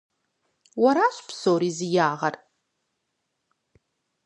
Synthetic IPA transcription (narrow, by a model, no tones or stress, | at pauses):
waɾaʃʷpʰsowɾizijaːʁar